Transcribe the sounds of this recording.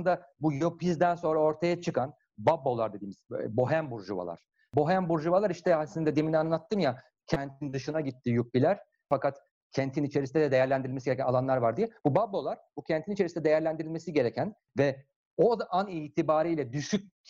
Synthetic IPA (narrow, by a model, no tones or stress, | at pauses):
nd̪abujo̞pizd̪ænso̞nɾao̞ɾt̪ʰajat͡ʃʰɯkʰan | babːo̞lˠaɾd̪e̞d̪iːmiz̥bo̞ɦæmbuɾʒuva̰lˠa̰ɾ̥ | bo̞ɦæmbuɾʒuvalˠaɾiʃt̪ʰɛasinɛd̪ɛd̪eminianlˠat̪ːɯmja | cʰɛnt̪ʰind̪ɯʃɯnaɟit̪ʰːijup̚bilʲæɾ̥ | fakat̪ | cʰɛnt̪ʰinit͡ʃʰe̞ɾisind̪ɛd̪ɛd̪e̞jæɾlʲænd̪iɾilmesiɟeɾɛcænalˠanlˠaɾvaɾd̪ijɛb̥ubabːo̞lˠaɾbucʰɛnt̪ʰinit͡ʃʰe̞ɾisiɛd̪e̞jæɾlʲænd̪iɾilʲmesiɟe̞ɾɛcʰæn | vɛ | od̪aʔaniːt̪ʰibaːɾiːlʲɛd̪yʃyc̚